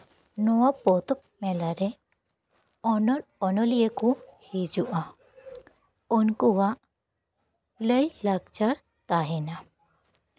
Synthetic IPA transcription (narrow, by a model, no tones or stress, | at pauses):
nɔwapɔt̪ɔp̚mɛlaɾɛ | ɔnɔɾɔnɔlijəkuhid͡ʒuʔa | ɔnkuwaʔ | ləjlaɡt͡ʃaɾ | t̪aɦɛna